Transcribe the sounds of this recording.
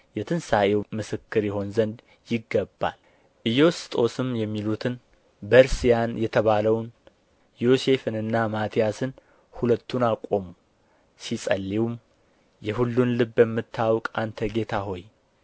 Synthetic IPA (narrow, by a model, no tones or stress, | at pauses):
jɛt̪ʰɨnsaʔewmɨsɨkːɨɾjɛɦo̞nzənd̪ | jɪɡːəbːa̰l | ʔɨjo̞st̪ʼo̞sɨmjɛmːilut̪ʰɨn | bəɾsijanjɛt̪ʰəβaləwn | jo̞se̞fɨnɨnːamat̪ʰijasɨn | hulət̪ʰːunakʼo̞mu | sisʼəlːiwm | jɛhulːunlɨbəmːɨt̪ʰːawkʼant̪ʰəɡe̞t̪ʰaɦo̞j